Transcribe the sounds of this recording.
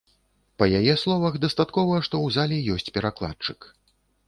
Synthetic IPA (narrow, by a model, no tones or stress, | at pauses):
pɐjajɛslˠɔvɐxd̪ɐst̪at̪kɔvɐʂt̪ɔwzalʲɛjɔsʲt͡sʲpʲɛɾaklˠa̰t͡ʂɨk